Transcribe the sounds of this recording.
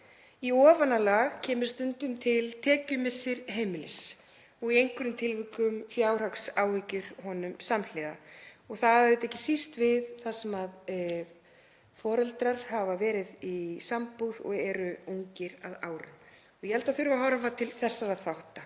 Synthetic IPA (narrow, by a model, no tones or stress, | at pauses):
iɔːvanalaːɣcʰɛːmɪ̥st̪ʏnt̪ʏmt̪ʰɪlt̪ʰɛːcʏmɪsːɪɾhejmɪlɪs | ɔɣiejŋkʏɾʏmt̪ʰɪlvɪːkʏmfjaːwr̥aksaːwvicʏɾ̥hɔnʏmsaml̥ɪːða̰ɔɣθaðɪt̪ɛhcːɪsist̪vɪðθasɛmað | fɔːɾɛlt̪ɾaɾ̥havavɛːɾɪðisampuðɔ̰ɣɛɾʏuŋcɪɾaða̰ːwɾʏ̰m | ɔɣjɛhɛlt̪aθʏɾvaɦawɾafat̪ʰɪlθɛsːaɾaðθawht̪a